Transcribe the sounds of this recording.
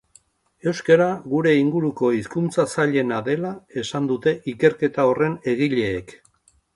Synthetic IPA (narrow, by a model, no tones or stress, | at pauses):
e̞wskaɾaɣuɾe̞iŋɡuɾuko̞iskunt͡sasaʎe̞naðe̞lae̞sand̪ut̪e̞ʔike̞ɾke̞t̪ao̞re̞ne̞ɣ̞iʎe̞ːk